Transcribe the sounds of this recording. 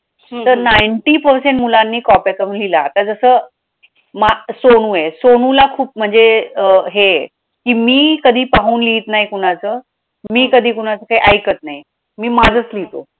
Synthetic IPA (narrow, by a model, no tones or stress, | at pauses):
t̪əɾnajɳʈiːpəɾseɳʈmulanːiːkɔpjatəʋ̤unlilaːt̪ad͡zəsəː | masoɽ̃ũjesoɽ̃ũlakʰuːp̚m̤əɳd͡zeəɦe | kiːmiːkəd̪ʱiːpaɦuːnliːt̪najkuɽ̃at͡səː | miːkəd̪ʱiːkuɽ̃at͡səkaiʔajkət̪nai | miːmad͡zʱət͡slit̪o